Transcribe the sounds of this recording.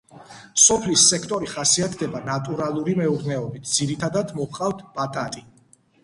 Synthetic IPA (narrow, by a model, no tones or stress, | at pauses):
sɔpʰlisːɛkʰt̪ʼɔɾiχasiat̪ʰd̪ɛbanat̪ʼuɾalˠuɾimɛuɾd̪nɛɔbit̪ʰd̪z̥iɾit̪ʰad̪ad̪mɔqʼavt̪ʰb̥at̪ʼat̪ʼi